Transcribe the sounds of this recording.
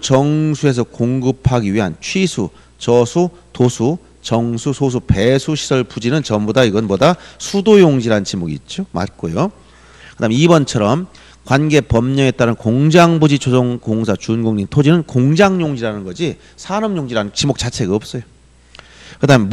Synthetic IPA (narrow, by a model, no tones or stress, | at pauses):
t͡ɕʌŋsʰue̞s̬ʰʌkoŋɡɯpʰaɡiɥiɦant͡ɕʰwisʰu | t͡ɕʌsʰu | tosʰu | t͡ɕʌŋsʰusʰos̬ʰupe̞sʰuɕʰi̥sʰʌɭpud͡ʑinɯnt͡ɕʌmbodaiɡʌnbodasʰudojoŋd͡ʑiɾanɯnt͡ɕimoɡiːt̚t͡ɕ͈oma̰t̚k͈ojo | kɯdaɦmeibʌnt͡ɕʰʌɾʌm | kwanɡe̞pʌmɲʌŋe̞t͈aɾɯnkoŋd͡ʑaŋbud͡ʑit͡ɕod͡ʑoŋkoŋs̬ʰat͡ɕunɡoŋɲimtʰod͡ʑinɯnkoŋd͡ʑaŋɲoŋd͡ʑiɾanɯnɡʌd͡ʑi | sʰanʌmɲoŋd͡ʑiɾanɯnt͡ɕimok̚t͡ɕ͈at͡ɕʰe̞ɡaʌp̚s͈ʌjo | kɯdame